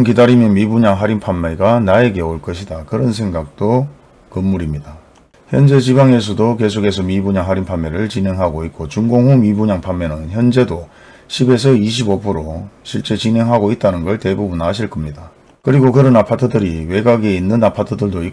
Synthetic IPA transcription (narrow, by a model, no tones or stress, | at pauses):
nkidaɾimjʌnmibuɲaŋɦaɾinpʰamːeɡanae̞ɡe̞oɭk͈ʌɕʰidakɯɾʌnsʰe̞ŋɡak̚t͈o | kɯmːuɾimɲida | çjʌnd͡ʑe̞t͡ɕibaŋe̞s̬ʰʌdoke̞s̬ʰoɡe̞sʰʌmibuɲaŋɦaɾinpʰamːeɾɯɭt͡ɕine̞ŋɦaɡoik̚k͈ot͡ɕuŋɡoŋɦumibuɲaŋpʰamːenɯnçjʌnd͡ʑe̞do | ɕʰibe̞s̬ʰʌiɕ̬ʰibopʰɯɾoɕʰiɭt͡ɕ͈e̞t͡ɕinɦe̞ŋɦaɡoit̚t͈anɯnɡʌɭte̞bubunaɕʰiɭk͈ʌmɲida | kɯɾiɡokɯɾʌnapʰatʰɯdɯɾiwe̞ɡaɡeinːɯnapʰatʰɯdɯɭdoi